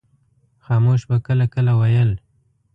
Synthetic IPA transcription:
xɑːmoʃbakəlakəlawajəl

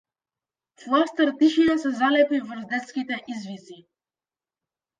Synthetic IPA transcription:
flˠast̪əɾt̪iʃinasɛzalɛpivɾzd̪ɛt̪skʲit̪ɛʔizvisi

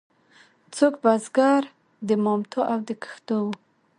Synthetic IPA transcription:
t͡sokbazɡaɾ | d̪əmɔmt̪ʰoʔawd̪əkə̥xt̪owu

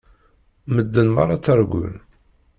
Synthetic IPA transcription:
məd̪ːənmɑ̰rˤːɑt͡sːæɾɡʷʊ̰n

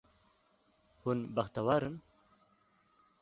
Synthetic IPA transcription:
hunbaxt̪awaɾɨn

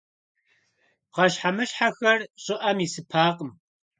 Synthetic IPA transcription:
qɐʃħamɨɕħaxɐrɕʼɪʔɐmisɨpʰaːqəm

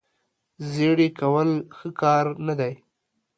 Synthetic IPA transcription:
zeɽikawəlxəkɑɾnad̪aj

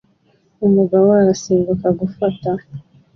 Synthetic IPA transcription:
umuɡawaaɾasiːmbukaɡufata

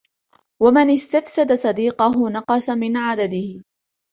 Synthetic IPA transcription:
wamɪnɪst̪afsad̪asˤɑd̪iːqʊɦʊnɑqɑsamɪnʕad̪ad̪ɪhɪ

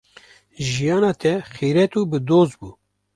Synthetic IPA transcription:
ʒijɑːnɑːt̪ʰɛxiːɾɛt̪uːbɨd̪oːzbuː

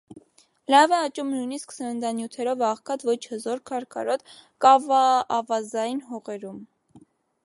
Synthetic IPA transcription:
lɑvɛɑt͡ʃumnujnisksəɾənd̪ɑnjut̪ʰɛɾɔvɑʁkʰɑt̪vɔt͡ʃʰhəzɔɾkʰɑɾkʰɑɾɔt̪kɑvɑːvɑzɑjinɦɔʁɛɾum

